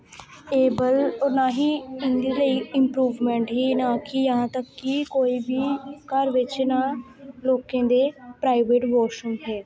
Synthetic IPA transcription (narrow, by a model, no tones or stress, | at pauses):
eːbəlɔːnaːɦiːɪ̃nd̪iːləiːɪmpɾuːʋmɛ̃ːɳʈɦiːnaːkijəɦãːt̪əkːikoːiːbʱiːkəɾʋɪt͡ʃnaː | loːkẽːd̪eːpɾaːɪʋeːʈʋɔːʃənɦɛː